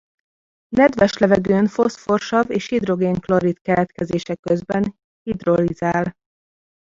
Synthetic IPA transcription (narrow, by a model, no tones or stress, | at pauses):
nɛd̪vɛʃlɛvɛɡøːnfo̞sfo̞rʃɒveːʃhid̪ro̞ɡeːŋkloɾit̪kɛlɛt̪kɛzeːʃɛkø̞zbɛn | hid̪ro̞lizaːl